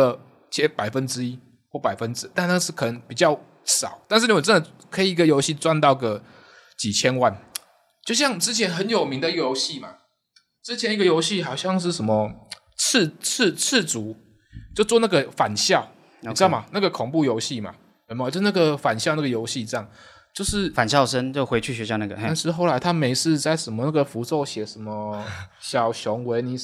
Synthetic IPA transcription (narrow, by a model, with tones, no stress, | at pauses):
ə˧˩ | t͡ɕʰjɛ˧˦˥pa˨˩ɪfə˦nʈ͡ʂɻ̩˥i˦˥ | xwɔ˥˩pa˨˩ɪfə˦nʈ͡ʂɻ̩˧˥t̪a˥˧na˥˩ə˧ʂɻ̩˥˩kʰɤ˨˩nə˧˦ŋpi˨˩t͡ɕjɑ˥˩ʊ | ʂɑ˨˩˦ʊt̪a˥˧nʂ̬ɻ̩˥˩ni˧˥wə˨˩t͡sə˦nd̪ə˨˩ | kʰɤ˧˥i˨˩˨ɡə˨jo˧˥ʊɕi˥˨t͡swa˥˧nt̪ɑ˥˩ʊɡə˦ | t͡ɕi˨˩t͡ɕʰjɛ˥nwa˥˩n | t͡ɕjo˥˧ʊɕ̬jɑ˥˩ŋʈ͡ʂɻ̩˥t͡ɕʰjɛ˧˦˥nxə˧˦njo˨˩ʊmi˧˥ŋd̪ə˨jjo˧˥ʊɕi˥˨ma̰˨˩ | ʈ͡ʂɻ̩˥t͡ɕʰjɛ˧˥ni˧˥ɡə˨jo˧˥ʊɕi˥˨xɑ˨˩ʊɕjɑ˥˧ŋʂ̬ɻ̩˥˩ʂə˧˥nmə˨ | t͡s̩ʰ˥˩t͡s̩ʰ˥˧t͡s̩ʰ˥˩t͡su˨˧˥ | t͡ɕjo˥˧ʊt͡swɔ˥˧na˥˩ɡə˨˩fa˨˩nɕjɑ˥˩ʊ | n̩˧˨˥ma˨˩na˥˩ɡə˩kʰʊ˨˩ŋpu˥˩jo˧˥ʊɕi˥˩ma̰˩˨˧ | m˥˧o˥˧˥na˥˩ɡə˨˩fa˨˩nɕjɑ˥˧na˥˩ɡə˨jo˧˥ʊɕi˥˧ʈ͡ʂɤ˥˧jɑ˥˩ŋ | t͡ɕjo˥˧ʊʂɻ̩˥˨fa˨˩nɕjɑ˥˩ʊʂə˦nt͡ɕjo˥˩ʊxwe˧˥ɪt͡ɕʰy˥˩ɥɛ˧˥ɕjɑ˥˧ʊna˥˩ɡə˨a˥˧nʂɻ̩˥˧xo˥˩ʊla˧˥ɪt̪ʰa˥me˧˥ɪʂɹ̩˥˧t͡sa˥˩ɪʂə˧˥nmə˧na˥˩ɡə˩fu˧˥t͡so˥˧ʊɕjɛ˨˩ʂə˧˦˥nmə˧ɕjɑ˨˩ʊɕjɔ˧˥ŋwe˧˥ɪni˨˦˩